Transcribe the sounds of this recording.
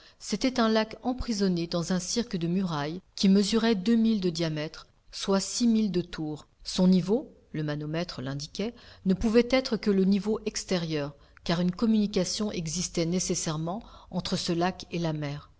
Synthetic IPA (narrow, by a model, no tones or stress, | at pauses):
set̪ɛt̪ɛ̃lakɑ̃pχizɔned̪ɑ̃zɛ̃siʁkld̪əmyʁajkʲiməzyʁɛd̪ømild̪əd̪jamɛt̪χ | swasimild̪ət̪ʰuːʁ | sɔ̃nivo | ləmanɔmɛt̪χəlɛ̃d̪ikʲɛnəpuvɛt̪ɛt̪χəkələnivoʔɛkst̪eʁjœʁ | kaʁynkɔmynikasjɔ̃ʔɛɡzist̪ɛnesesɛʁmɑ̃ɑ̃t̪χəsəlakelamɛːʁ